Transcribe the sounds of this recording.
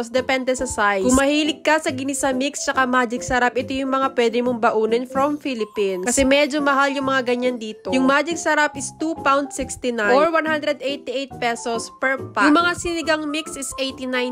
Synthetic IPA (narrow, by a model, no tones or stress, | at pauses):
sd̪ɛpɛnd̪ɛsɐsajkʊmɐhiːlɪk̚ːɐsɐɡɪnɪsɐmikst͡ʃɐkamaːd͡ʒɪksɐɾapʔɛt̪ojʊŋmɐŋapwɛːd̪ɪmoŋbɐʔuːnɛnfɾomfilɪpinkɐsɛmɛd͡ʒo̞mɐɦaljʊŋmɐŋaɡɐɲːand̪iːt̪ojʊŋmaːd͡ʒɪk̚sɐɾapɪst̪upawnd̪sɪkst̪ɪnajoɹwanhand̪ɾɛd̪ʔejt̪iʔejt̪̚pɛsospɛɹpajʊŋmɐŋasɪnɪɡaŋmiksɪsʔejt̪inaj